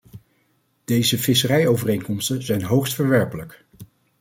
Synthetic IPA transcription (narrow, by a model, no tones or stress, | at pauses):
d̥ejzəvɪsərɛjowvərejŋkɔmstənzɛjnɦowxstfəɹʋɛɹpələk